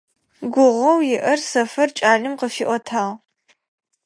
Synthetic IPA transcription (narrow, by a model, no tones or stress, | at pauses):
ɡʷʊʁʷɐwjɪʔɐrsɐfɐrt͡ʃʼaːɮɨmqəfiʔʷɔtʰaːʁ